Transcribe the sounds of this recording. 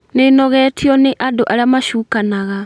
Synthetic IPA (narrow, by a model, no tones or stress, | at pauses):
nenɔɣɛːtʰiɔneʔadoʔaɾeamaʃuːkanaɣa